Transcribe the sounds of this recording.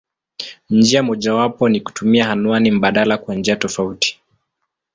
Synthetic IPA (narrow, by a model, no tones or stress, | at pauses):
n̩d͡ʒiamɔʄawapɔniku̥tumiahanuanim̩ɓaɗalakwand͡ʒiatɔfauti̥